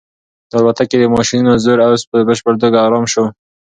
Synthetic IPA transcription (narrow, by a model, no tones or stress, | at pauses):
d̪̥əalbat̪aked̪əmɑʃinozoɾawspəbəʃpəɾt̪oɡɑɣɾɑmʃo